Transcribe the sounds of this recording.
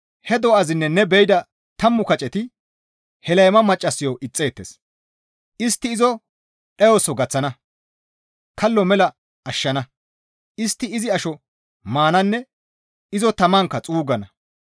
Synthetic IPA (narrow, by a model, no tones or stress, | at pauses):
hɛd̪ɔɐzɪnːɛnːɛbɛjɪd̪ɐ | t̪ɐmːʊkɐt͡ʃʼɛt̪ɪ | hɛlɐjmɐmɐt͡ʃʼːɐsːɪjɔʔɪt͡sʼːe̞ːt̪ːes | ʔɪst̪ːɪːzɔ | ɗɛjoːsɔɡɐt͡sːɐnɐ | kɐlːɔmɛlɐ | ɐʃːɐnɐ | ɪst̪ːɪɪzɪɐʃɔ | maːnɐnːɛ | ɪzɔt̪ɐmɐŋkːɐt͡sʼuːɡɐnɐ